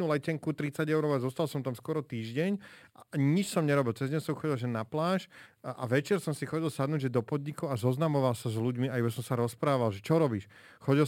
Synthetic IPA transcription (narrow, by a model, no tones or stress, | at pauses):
ulɛcɛŋkut̪ɾit͡saɟɛʊɾɔʊazɔst̪alsɔmt̪amskʊɔɾɔt̪iːʒɟɛɲ | ɲit͡ʃsɔmɲɛɾɔbilt͡sɛzɟɛɲsɔmxɔɟilˠʒɛnːaplaːʃʔa̰ʋɛt͡ʃɛɾsɔmsixɔɟilˠsad̪nuːɟʒɛd̪ɔpɔd̪ɲikɔʊazɔznamɔʋalˠsazluɟmiaibasɔmsaɾɔspɾaːʋalʒɛt͡ʃɔɾɔbiːʃ | xɔɟi